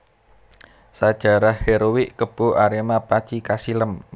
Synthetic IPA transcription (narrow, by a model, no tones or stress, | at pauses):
sad̥ʒ̥a̤ɾahheɾowiʔkəb̥o̤ʔaɾemapat͡ʃikasiləm